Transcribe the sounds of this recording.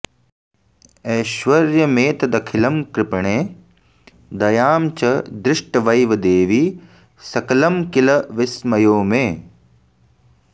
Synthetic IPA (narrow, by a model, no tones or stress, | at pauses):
eːʃʋɐɾjɐmeːt̪ɐd̪ɐkʰɪlɐmkɾɪpɳeː | d̪ɐjaːmt͡ʃɐd̪ɾɪʂʈɐʋɐjʋɐd̪eːʋiː | sɐkɐlɐmkɪlɐʋɪsmɐjoːmeː